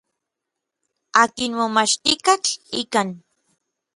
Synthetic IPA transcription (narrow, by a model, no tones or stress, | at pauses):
akinmomaʃt̪ikat͡ɬikan